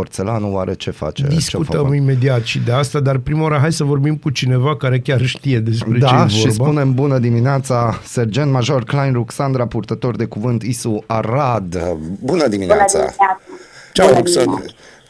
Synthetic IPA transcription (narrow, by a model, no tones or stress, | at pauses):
ort̪selanuwaɾet͡ʃe̞fa̰t͡ʃed̪isuəmime̞d̪iat̪ʃid̪e̞ast̪ad̪arpɾimawaɾəɦajsəvo̞rbimkut͡ʃine̞vakaɾe̞kʲarʃt̪ije̞d̪e̞s̬pɾed̪t͡ʃaejvʃoirsbapune̞mbunəd̪imineat̪saserd͡ʒent̪maʒo̞rklajnruksand̪ɾapurt̪ət̪o̞rd̪e̞kuvɨnt̪isuaɾad̪bunəd̪iminasa̰ | t͡ʃauksa